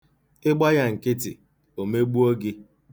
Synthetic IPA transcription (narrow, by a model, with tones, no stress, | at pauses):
ɪ˦ɡ͡ba˦ja˦ŋ̩˨kɪ˦tɪ̰˨ | o˨me˦ɡ͡bu˦o˦ɡɪ˦